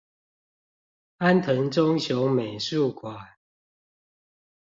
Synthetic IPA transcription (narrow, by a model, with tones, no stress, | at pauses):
a˦nt̪ʰə˨˦ŋʈ͡ʂɔ˦ŋɕjo˨˦me˨˩ɪʂu˥˨kʰwa˨˩˦n